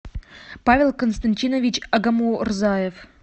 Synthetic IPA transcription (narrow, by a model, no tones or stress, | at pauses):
pavʲelˠkənst̪ɐnʲtʲinəvʲit͡ɕɐɡɐmurzajef